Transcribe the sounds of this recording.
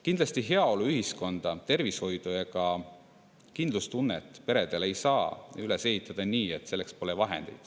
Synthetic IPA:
kind̪lɑst̪iɦe̞ɑo̞luyɦisko̞nd̪̥ɑt̪e̞rvisho̞jd̪̥ujɑkɑ | kind̪lust̪unːet̪ːˑpe̞ɾe̞d̪̥e̞le̞jsɑːyle̞se̞ɦit̪ːˑɑd̪̥ɑniːe̞t̪ːse̞lːe̞kspo̞levɑɦe̞̰nd̪ejd̪̥

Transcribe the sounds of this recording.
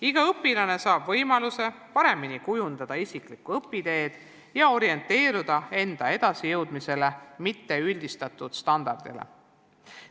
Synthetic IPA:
iɡ̥ɑɤpːilɑne̞sɑːb̥vɤjmɑluse̞pɑɾe̞minikujund̪̥ɑd̪̥ɑisiklikuɤpːid̪̥e̞ːd̪̥ | jɑo̞ɾie̞nt̪ːˑe̞ːɾud̪̥ɑe̞nd̪̥ɑe̞d̪̥ɑsijɤwd̪mise̞le̞mit̪ːe̞ylʲd̪̥ist̪ɑt̪ːˑud̪̥st̪ɑnd̪̥ɑrd̪̥ḭlḛ

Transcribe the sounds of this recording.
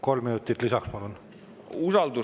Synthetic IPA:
ko̞lminut̪ːˑit̪lisɑkspɑlun | usɑld̪u

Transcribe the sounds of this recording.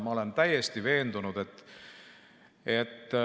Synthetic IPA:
mɑo̞le̞nt̪æjest̪ive̞ːnd̪̥unud̪̥e̞t̪ː | e̞t̪ː

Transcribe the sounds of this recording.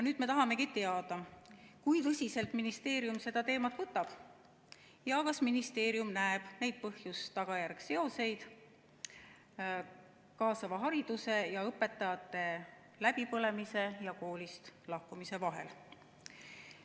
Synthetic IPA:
jɑnyːd̪̥me̞t̪ɑɦɑme̞kit̪e̞ɑd̪̥ɑkujt̪ɤsʲise̞lt̪ˑminist̪e̞ːɾijumse̞d̪̥ɑt̪e̞ːmɑt̪ːˑvɤt̪ːˑɑb̥ | jɑkɑsminist̪e̞ːɾjumnæeb̥ne̞jd̪̥̚pɤhjust̪ɑɡ̥ɑjærɡ̥se̞o̞se̞jd̪̥ | kɑːsɑvɑɦɑɾid̪̥use̞jɑɤpːˑe̞t̪ːˑɑjɑt̪ːˑe̞ | læb̥ipɤle̞mise̞jɑko̞ːlist̪lɑhkumise̞vɑɦe̞̰l

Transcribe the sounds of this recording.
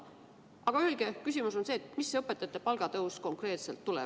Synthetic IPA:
ɑɡ̥ɑølɡ̥e̞kysʲimuso̞nse̞ːet̪ˑmisːeɤpːˑe̞t̪ːˑɑt̪ːˑepɑlɡ̥ɑt̪ɤwsko̞ŋkre̞ːt̪selt̪ːulɛ̰

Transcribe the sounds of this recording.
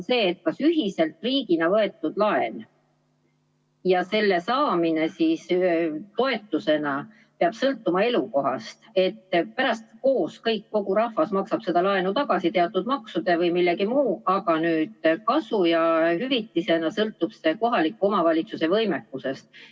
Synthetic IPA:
se̞ːt̪̚kɑsyɦise̞lt̪ˑriːɡinɑvɤe̞t̪ːˑud̪̥lɑe̞n | jɑse̞lːe̞sɑːmine̞sist̪o̞e̞t̪ːˑuse̞nɑ | peɑb̥sɤlt̪ːˑumɑe̞luko̞ɦɑ̰st̪e̞t̪ːpæɾɑst̪ko̞ːskɤjkːo̞ɡ̥uɾɑhvɑsmɑksɑb̥se̞d̪̥ɑlɑenut̪ɑɡɑsit̪e̞ɑt̪ːˑud̪̥mɑksud̪̥e̞vɤjmilːeɡimuːɑɡɑnyːd̪̥kɑsujɑhyvit̪ːˑise̞nɑsɤlt̪ːˑub̥se̞ko̞ɦɑlikːuo̞mɑvɑlʲit̪suse̞vɤ̞jme̞kːˑuse̞st̪̚

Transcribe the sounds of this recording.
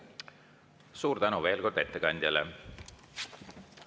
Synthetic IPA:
suːɾt̪ænuve̞ːlko̞rd̪̥e̞t̪ːekɑnʲd̪jɑlḛ

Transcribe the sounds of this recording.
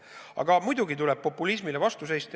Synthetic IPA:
ɑ̰ɡ̥ɑmujd̪uɡit̪ulɛb̥̚po̞pːulis̬milevɑst̪use̞jst̪

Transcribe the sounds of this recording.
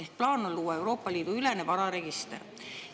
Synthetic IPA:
ehk̚plɑːnolːuːɑe̞wɾo̞ːpːˑɑliːd̪̥uyle̞ne̞vɑɾɑɾe̞ɡ̥ist̪er

